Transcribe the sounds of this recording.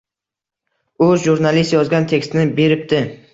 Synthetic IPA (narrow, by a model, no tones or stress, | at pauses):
ʊʒuɾnalist̪jɒzɡʲant̪ʰe̞kʲst̪nɪbe̞ɾɪp̚t̪ɪ